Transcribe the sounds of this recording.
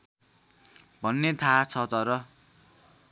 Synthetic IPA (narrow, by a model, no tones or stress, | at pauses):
bʱʌnːet̪ʰat͡sʰʌt̪ʌɾʌ